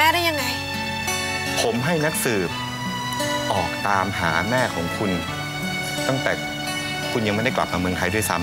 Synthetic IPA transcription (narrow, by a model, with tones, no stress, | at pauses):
mɛː˧˥˩ɾa˥˩ja˧ŋa˧j | pʰo˩˦mɦa˥˩jna˦˥k̚sɯː˨˩p̚ | ʔɔː˨˩k̚t̪aː˧mɦaː˩˦mɛː˥˩kʰɔː˩˦ŋkʰu˧n | t̪ɔ˥˩ŋt̪ɛː˨˩ | kʰu˧nja˧ŋma˥˩da˥˩kla̰˨˩p̚maː˧mɯ˧əŋt̪ʰa˧jdu˥˩jsa˦˥m